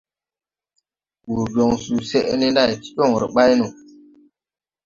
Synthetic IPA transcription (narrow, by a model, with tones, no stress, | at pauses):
ɓu˨ɾbjo˨ŋsu˨se˦ʔni˦nda˦˨jti̥˦ɗɔ˦˨ŋ˨ɾi˨ɓa˦jnu˨